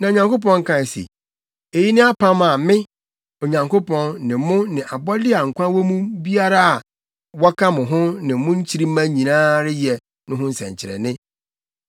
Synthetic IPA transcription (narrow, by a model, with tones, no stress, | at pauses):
nã˨o˨ɲã˨ŋko˦p̬ɔ̃˦ŋ̩˦kʰã˨sḭ˨ | e˨ji˦nɪ̃˦a˦pʰã˦ma˨mɪ̃˦ | o˨ɲã˨ŋko˦pʰɔ̃˦nːɪ̃˨mʊ̃˦nɪ̃˨ʔa˨bɔ˦dɪ˦a˨ŋ̩˨kʷã˦wɔ˦mũ˦bi˦a˦ɾa˦a˨ | wɔ˦kʰa˦mʊ̃˨ɦʊ̃˦nɪ̃˨mʊ̃˦ɲ̩˦t͡ɕʰi˦ɾi˦mã˦ɲĩ˨nãː˦ɾɪ˦jɛ˨ | nʊ̃˦ɦʊ̃˦n̩˦sɛ̰̃˨ɲ˨t͡ɕʰɪ˨ɾɛ̰˨nɪ̃˦